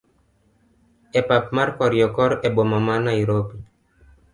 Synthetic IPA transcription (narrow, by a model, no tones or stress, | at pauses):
epapmaɾkɔɾjɔkɔɾebomamanaiɾopi